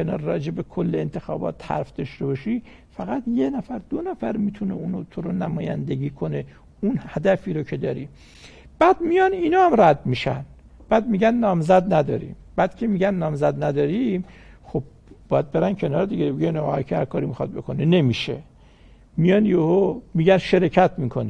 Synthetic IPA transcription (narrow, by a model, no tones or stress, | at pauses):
kenɒ̰ːɾɾɒ̰ːd͡ʒe̞bekʰolːeent̪ʰexɒ̰ːbɒ̰ːt̪hæ̰ɾfd̪ɒʃt̪e̞bɒʃi | fæɣæt̪jenæfæɾd̪̥onæfæɾmit̪ʰunḛuːnot̪ʰoɾonæmɒːjæ̰nd̪eɡiːkʰone | unhæd̪æfiːɾocʰe̞d̪ɒːɾi | b̥æːd̪mijɒniːnɒːhæmræd̪miːʃæ̰n | b̥æːd̪̚miɟænːɒːmzæd̪næd̪ɒ̰ːɾḭmb̥æd̪̥kʰemiːɟænːɒːmzæd̪næd̪ɒːɾimxo̞b̚ | bɒːjæd̪̚be̞ɾæncʰe̞nɒːɾed̪iɡebeɡænɒɣækʰehæɾkʰɒːɾimixɒd̪̚be̞̰kʰonene̞miʃḛ | mijɒnjohomiːɟænʃeɾecʰæt̪miːkʰone